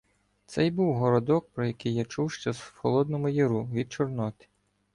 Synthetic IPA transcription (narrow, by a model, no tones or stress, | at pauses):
t̪sɛjbuwɦɔɾɔd̪ɔk̚pɾɔjɐkɪjːat͡ʃuwʃt͡ʃɔzxɔlˠɔd̪nɔmʊjɪɾuʋʲid̪̚t͡ʃɔrnɔt̪ɪ̥